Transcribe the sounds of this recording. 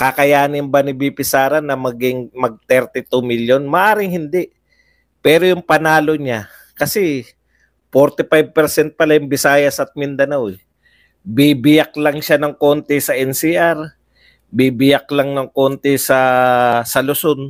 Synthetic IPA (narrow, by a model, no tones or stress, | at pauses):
kakɐjaːnɪmbɐnɪbipɪsaːɾɐnːɐmɐɡɪŋmɐɡ̚t̪ɛɾt̪ɪt̪umiljonmɐʔaːɾɪŋhɪnd̪ɛʔ | pɛːɾojʊŋpɐnaːlo̞ɲa | kɐsɛ | poɾt̪ɪpajb̚pɛɾsɛnt̪̚pɐlajʊŋbɪsaːjɐsɐt̪̚mɪnd̪ɐnawɛ | bibɪjak̚lɐŋʃanɐŋkont̪ɛsɐʔɛnsiʔaɾ | bibɪjak̚lɐŋnɐŋko̞nt̪ɛsɐsɐlʊson